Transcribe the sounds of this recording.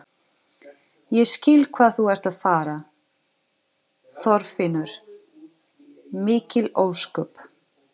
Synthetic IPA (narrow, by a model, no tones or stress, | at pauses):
jɛscɪlkʰvaːðθuɛɾ̥t̪aðfaːɾa | θɔɾfɪnʏɾ̥ | mɪːcɪloːwskœp